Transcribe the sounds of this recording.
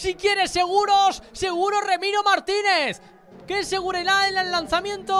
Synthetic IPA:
sikje̞ɾe̞se̞ɣ̞uɾo̞sːe̞ɣ̞uɾo̞re̞miɾo̞maɾt̪ine̞θ | ke̞se̞ɣ̞uɾeɾaelellanθamjẽ̞nt̪o

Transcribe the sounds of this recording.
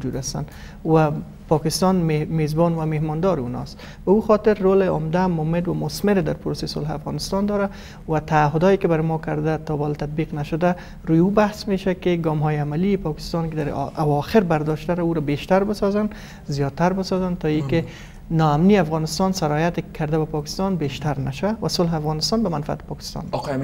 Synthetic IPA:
d͡ʒud̪ast̪a̰n | wa | pɔkɪst̪ɔnmezbɔnwamehmɔnd̪ɒɾɪṵnɔ̰st̪ | bauxɔt̪ɪɾːolɪʊmd̪amʊmɪd̪wamʊsmɪɾd̪aɾpʊɾosesʊlɦa̰fɣɑ̰nɪst̪ɑnd̪ɔɾa | wat̪aːɦʊd̪ɔjekɪbaɾɪmɔkaɾd̪at̪ɔbɔlt̪ad̪̚biqnaʃʊd̪a | ɾujubahsmeʃakɪɡɔmɦɔjɪamaliːpɒkɪ̥st̪ɔnkɪd̪aɾawɒxɪɾbaɾd̪ɔʃt̪aɾauɾabeʃt̪aɾbɪsɔzan | zijɒd̪̚t̪ːaɾbɪsɔzant̪ɔikɪ | nɔamniafɣɔnɪst̪ɔnsaɾɔjat̪ɪkʰːaɾd̪abapɒkɪ̥st̪ɒnbeʃt̪aɾnaʃawawasʊlɦɪafɣɔnɪst̪ɒnbamanfia̰t̪ɪ̥pɒkɪ̥st̪ɔ̰n

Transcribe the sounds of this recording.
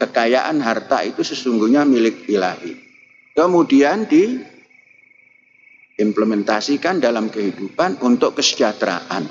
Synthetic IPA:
kəkajaʔanɦart̪a̰it̪usəsuŋɡuhɲamilɪk̚ilahḭ | kəmudiandi | ɪmpləmɛnt̪asikandalamkəɦidupanunt̪ʊkkːəsə̥d͡ʒat̪ɾa̰ʔan

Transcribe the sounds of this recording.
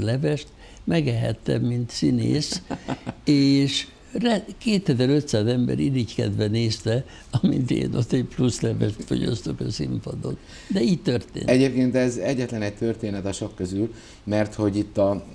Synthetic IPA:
lɛvɛʃt̪ | mɛɡɛɦɛ̰t̪ːɛ̰mmint̪sinḛːs | eːʃ | rɛkeːt̪ɛzɛɾøt̪saːzɛmbɛ̰ɾilickɛd̪ʋɛneːst̪ɛ | ɒmḭnt̪ḛːnʔot̪ːɛpluslɛvɛʃt̪fo̞̰ɟɒ̰st̪okɒsḭmpod̪o̰t̪ | d̪ɛiːct̪ørt̪ḛːnɛɟeːp̚keːnt̪ɛzɛɟːɛt̪lɛnɛct̪ørt̪eːnɛt̪ɒʃo̞kːøzyl | mɛrt̪ho̞ɟit̪ːɒ

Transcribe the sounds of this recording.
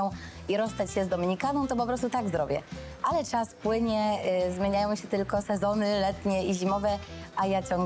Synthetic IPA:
ɔ̃w̃ | iɾɔst̪at͡ɕɕɛzd̪ɔmʲiɲikanɔ̃w̃t̪ɔpɔpɾɔst̪ut̪aɡzɾɔbʲjɛ̰ʔalɛt͡ʂaspwɘɲɛzmʲjeɲajɔ̃w̃ɕɛt̪ɘlkɔsɛzɔnɘlɛt̪ɲɛiʑimɔvɛʔajat͡ɕɔŋɡ

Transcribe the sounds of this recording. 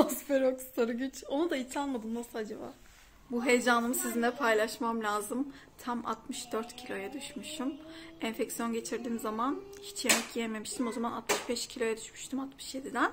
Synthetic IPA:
osfeɾokst̪ʰaɾɯɟyt͡ʃo̞nud̪ait͡ʃʰanˠmad̪ɯmnasɯlˠad͡ʒaba̰ː | buɦe̞jed͡ʒaːnɯmsizinlʲɛpʰajlˠaʃmamlʲaːzɯmt̪ʰama̰t̪mɯʃd̪øɾt̪cʰilʲo̞jɛd̪yʃmyʃt̪ʰymænfɛcsijo̞nɟe̞t͡ʃʰiɾd̪iːnzamançi̥t͡ʃʰje̞mɛcjieme̞miʃt̪ʰimo̞zamanat̪mɯʃbɛʃcʰilʲo̞jɛd̪yʃmyʃt̪ʰymat̪mɯʃje̞d̪id̪æn

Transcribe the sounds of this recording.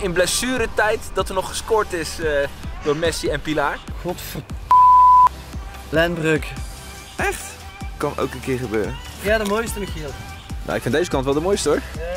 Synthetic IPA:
ɪnblɛsyːɾətɛjtdɑtəɹnɔχχə̥skoːɹtɪsd̥ʊːɹmɛsiɛnpilaːɹχɔtfə | lɛnbrøk | ʔɛχt | kɑno̰wkənkɪːɹχəbø̰ːɾən | jaːdəmojstəmiχilˠ | na̰wɪkfɪndejzəkɑntʋɛlˠdəmoːjstəɔɹ

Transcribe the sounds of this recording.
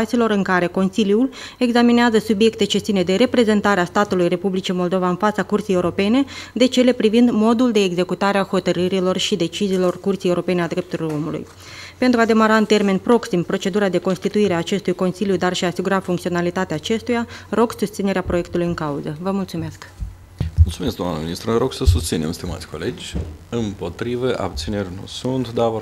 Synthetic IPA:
t̪silo̞ɾɨŋkaɾe̞ko̞nsiljule̞ɡzamineazəsubje̞kt̪e̞t͡ʃe̞t̪sine̞d̪e̞ɾe̞pɾe̞ze̞nt̪aɾeast̪at̪ulujre̞publit͡ʃimo̞ld̪o̞vaɨnfat̪sakurt̪sijeuɾo̞pe̞ne̞d̪e̞t͡ʃe̞le̞pɾivind̪mo̞d̪uld̪e̞ːɡze̞kut̪aɾeaho̞t̪əɾɨɾilo̞rʃid̪e̞t͡ʃiziːlo̞rkurt̪sijeuɾo̞pe̞nead̪ɾe̞p̚t̪uɾiloɾo̞mulṵj | pe̞nt̪ɾuad̪e̞maɾaɨnt̪e̞rme̞npɾo̞ksimpɾo̞t͡ʃe̞d̪uɾad̪e̞ko̞nst̪it̪uiɾeaːt͡ʃe̞st̪ujko̞nsiljud̪arʃiaːsiɡuɾafuŋkt̪io̞nalit̪at̪eaːt͡ʃe̞st̪ujaro̞ɡsust̪sineɾeapɾo̞je̞kt̪ulujɨŋkauzəvəmult̪sume̞sk | mult̪sumesk̚d̪oa̰nə̰minist̪ɾuɾo̞ɡsəsust̪sinḛmst̪ima̰sʲko̞le̞d͡ʒʲɨmpo̞t̪ɾivəʔa̰b̚t̪sine̞rʲnṵsunt̪d̪a

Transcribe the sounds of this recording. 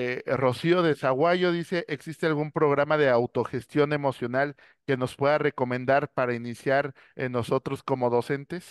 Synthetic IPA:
ero̞sio̞ðe̞saɣwaʝo̞ðise̞ʔeksist̪e̞alɣumpɾo̞ɣ̞ɾamaðe̞awt̪o̞xe̞st̪jo̞ne̞mo̞sjo̞nal | ke̞no̞spwe̞ðare̞ko̞mẽnd̪aɾpaɾainisjaɾ | eno̞so̞t̪ɾo̞sko̞mo̞ðose̞nt̪e̞s

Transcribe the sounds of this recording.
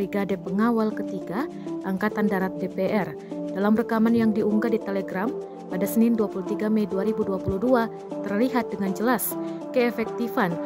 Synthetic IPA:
iɡadepəŋawalkət̪iɡa | ʔaŋkat̪andaɾat̪̚depeʔɛr | dalamrəkamanjaŋdiuŋɡadit̪eleɡɾam | padasənɪnduapulut̪iɡamɛjduaɾibuduapuludua | t̪ərliɦat̪̚dəŋand͡ʒəlaskəɛfɛk̚t̪ifan

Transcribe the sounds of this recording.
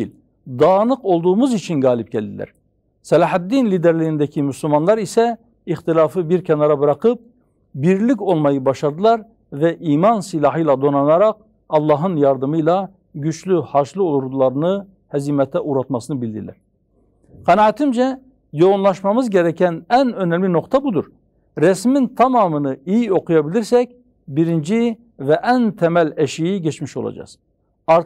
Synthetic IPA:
lʲ | d̪ɑːnɯqo̞lˠd̪uːmuzit͡ʃʰinɡɑːlip̚ɟælʲd̪ḭlʲæ̰ɾ̥ | sɛlɑħæt̪ːinlid̪ɛɾlʲiind̪ɛcʰimyslʲumɑnlˠɑɾisɛ | ixt̪ilʲaːfɯbiɾcʰɛnɑɾabɯɾaqɯp̚ | biɾlʲico̞lˠmɑjɯbɑʃaɾd̪ɯlˠɑɾ | vɛʔiːmɑnsilʲˠɑɦɯjlˠad̪o̞nɑnaɾɑq̚ | ɑlˠːɑːɦɯnjɑɾd̪ɯmɯjlˠa | ɟyt͡ʃlʲyhɑɾʃlˠɯolˠuɾd̪ulˠɑɾɯnɯ | hɛzimɛt̪ʰɛʔuɾɑt̪mɑsɯnɯbilʲd̪iɾlæ̰ɾ | qʰɑnɑːt̪ʰimd͡ʒɛ | jo̞unlˠɑʃmɑmɯzɟɛɾɛcʰænænønɛmlʲino̞qt̪ʰɑbud̪uɾ | ɾɛsmint̪ʰɑmɑːmɯnɯijio̞qʰujɑbiliɾsɛc̚ | biɾind͡ʒi | vɛʔænt̪ʰɛmælʲɛʃijiɟɛt͡ʃmiʃo̞̰lˠɑ̰d͡ʒɑ̰z̥ | ɑɾ

